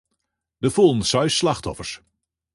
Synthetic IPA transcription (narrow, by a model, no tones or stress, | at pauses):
dəfolˠnsɑɥslɑχtɔfəɹs